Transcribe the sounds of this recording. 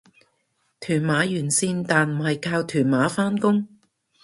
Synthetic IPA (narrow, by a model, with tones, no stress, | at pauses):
t̪ʰyː˨˩nmaː˨˥jyː˨˩nsiː˧nt̪aː˨nm̩˨˩hɐ˨jkʰaː˧wt̪ʰyː˨˩nmaː˨˥faː˥nkʊ˥ŋ